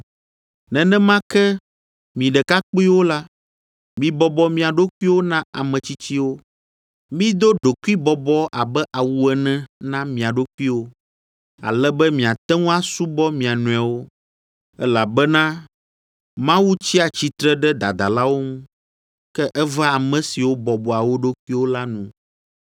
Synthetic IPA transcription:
nɛ̃˨nɛ̃˦mã˦kɛ˦ | mĩ˨ɖɛ˨ka˦k͡pi˦wo˦la˦ | mĩ˨bɔ˦bɔ˦mĩ˨a˨ɖo˦ku˦i˦wo˦nã˦a˨mɛ̃˨t͡ɕi˦t͡ɕi˦wo˦ | mĩ˦d̪o˦ɖo˨ku˦i˦bɔ˨bɔ˦ʔa˨bɛ˦ʔa˨wu˦ɛ˨nɛ̃˦nã˦mĩ˨a˨ɖo˦ku˦i˦wo˦ | a̰˨lɛ˦bɛ˦mĩ˨a˨t̪ɛ˦ŋũ˦a˦su˦bɔ˦mĩ˨a˨nũ˨a˨wo˦ | ɛ˦la˨bɛ˦nã˦ | mã˦wu˦t͡ɕi˦a˨t͡ɕi˦t̪ɾɛ˦ɖɛ˦d̪a˨d̪a̰˨la˦wo˦ŋũ˦ | kɛ˦ʔɛ˦va˦a˨mɛ̃˨si˨wo˦bɔ˨bɔ˨a˨wo˦ɖo˦kʷu˦i˦wo˦la˦nũ˦

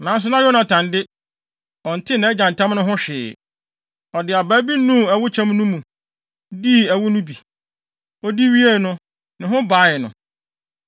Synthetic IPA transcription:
nã˨˦n˦s̬ʊ˦nã˦jɔ˦nã˨tʰã˨ndɪ˦ | ɔ̃˨n̩˨tʰɪ˦nã˨˦ɛ˦d͡ʑã˨n̩˨tʰã˦m˦nʊ̃˦ɦʊ̃˦ɕᶣɪ̰ː˨ | ɔ˨dɪ˨a˨baː˦bi˦nũ˦˨ɛ˨wʊ˦t͡ɕʰã˦m˦nũ˦mũ˨ | di˦˨æ˨wʊ˦nʊ̃˦bi˨ | ɔ˦di˦ɥi˦e˦˨nʊ̃˦ | nɪ̃˨ɦʊ̃˦baː˨˦jɛ˨nʊ̰̃˨

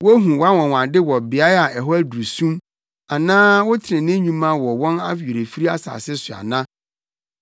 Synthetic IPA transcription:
wo˦ɦũ˨wa˦wɔ̃˨wã˨ndɪ˦wɔ˨bɪ˨a˦ɾa˨ʔɛ˨ɦɔ˦æ˦du˨u˨sũ˦m | a˨nãː˦wʊ˦tʰɪ˨ɪ̃˨nɪ̃˦ɲũ˦mã˦wɔ˨wɔ̃˦na˦fe˨ɾe˨fi˦i˦a˦sa̰ː˨sɪ˦sʊ˨a̰˨nã˦

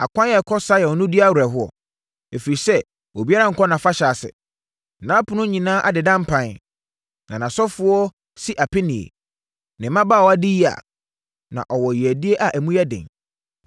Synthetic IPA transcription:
a˨kʷʰã˦jɛ˨kʰɔ˦sa˦jɛ˨ɔ˨nʊ̃˦di˦a˦wa˨ɦʊ˦ɔ̰˨ | e˨fi˨i˨sɛ˦ | wo˨bi˦a˦ã˦ŋ̩˨kʰɔ˦nã˨fa˦ɕa˨sɪ̰˨ | nã˨˦pʰʊ̃˦nʊ̃˦ɲĩ˨nãː˦ʔa˨dɪ˨dã˦m̩˦pʰã˨n | nã˨nã˨sɔ˦fʊ˦ɔ˦ | si˦ʔa˨pʰɪ˦nɪ̃˨ḛ˨ | nɪ̃˨mã˦ba˦˨wɔ˨a˦dɪ˦ji˦a̰˨ | nã̰˨ʔɔ˨wɔ˨ji˨æ˨di˦e˦ʔa˨ʔæ˨mũ˦jɛ˦dɪ̰̃˨ŋ

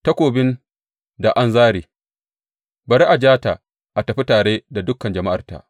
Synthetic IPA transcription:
tɐ˦kʷoː˨bɪ˦n | da˨ʔa˦nzaː˦ɽiː˨ | bɐ˨ɾi˦ʔa˨d͡ʒaː˦ta˨ | ʔa˨tɐ˨ɸi˦taː˨ɽeː˦da˨dʊ˦kːɐ˨nd͡ʒɐ˨ma˦ʔa̰˨rta̰˨ʔ

